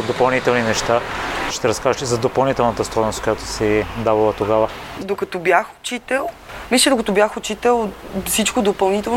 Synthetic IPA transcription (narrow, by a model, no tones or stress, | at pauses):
d̪opɐlˠnit̪ɛlˠninɛʃt̪aʃt̪ɛɾɐskaʒət̪izɐd̪opɐlˠnit̪ɛlˠnɐt̪əst̪ɔjnoskojat̪o̥sɛd̪avɐlˠət̪oɡavəd̪okɐt̪ɔbjaxo̥t͡ʃit̪ɛlˠ | misʲɛd̪okɐt̪ɔbjaxot͡ʃit̪ɛlˠfsit͡ʃkod̪opɐlˠnit̪ɛn